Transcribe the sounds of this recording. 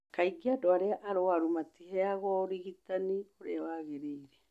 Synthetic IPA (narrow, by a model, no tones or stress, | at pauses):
kaiɡiadoaɾeaʔaɾowaɾumatihɛaɣwɔoɾiɣitanioɾeawaɣeɾiːɾɛ